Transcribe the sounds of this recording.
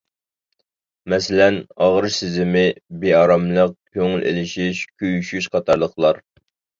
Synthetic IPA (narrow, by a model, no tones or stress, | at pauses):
mɛsɪlɛnɑʁəɾsɪzɪmɪbeɑɾɑmlˠəq̚kʲʰøŋylʔḛlɪʃiʃkʲʰøjyʃyʃqʰɑt̪ʰɑɾlˠəχlˠɑɾ